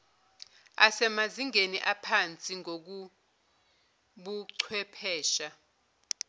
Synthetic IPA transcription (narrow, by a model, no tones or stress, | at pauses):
asɛmaziŋeniʔapʰant͡sʼiŋok̬u | ɓuǀʰwɛpʰɛːʃa